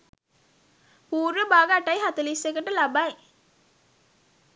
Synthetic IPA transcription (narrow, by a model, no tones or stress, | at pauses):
puːɾʋəbaːɡaʈajɦat̪əlisʋekəʈəlabaj